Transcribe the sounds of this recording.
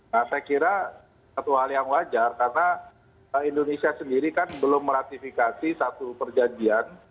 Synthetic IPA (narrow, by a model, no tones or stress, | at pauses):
nasajkiɾa | sat̪uɦaljaŋwad͡ʒarkarna | indonesiasəndiɾikanbəlʊmːəɾat̪ifikasisat̪upərd͡ʒad͡ʒian